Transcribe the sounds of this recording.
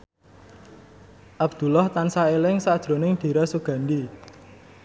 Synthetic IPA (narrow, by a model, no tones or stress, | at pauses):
ʔabd̪̥ṳlɔht̪ansaelɪŋsad̥ʒ̥ɾo̤nɪŋd̪̥i̤ɾasuɡ̥a̤ndi